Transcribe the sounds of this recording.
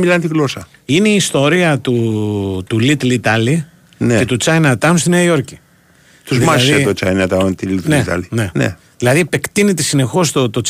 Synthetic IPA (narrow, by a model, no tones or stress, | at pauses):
milɐnt̪iɣlosɐ | ine̞iːst̪o̞ɾiɐt̪ut̪ulit̪lit̪ɐli | nee̞t̪ut͡sɐjnɐt̪ɐmst̪ineɐio̞ɾci | t̪uzmɐsðet̪ot͡ʃɐjnɐt̪ɐnt̪ilit̪net̪ɐ̰linenḛ | ðilɐðiepe̞kt̪inet̪esine̞xo̞st̪ot̪ot͡s